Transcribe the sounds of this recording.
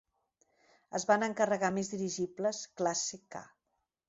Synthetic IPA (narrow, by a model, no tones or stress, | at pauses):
əzβanəŋkərəɣamezðiɾiʒipləsklaseka̰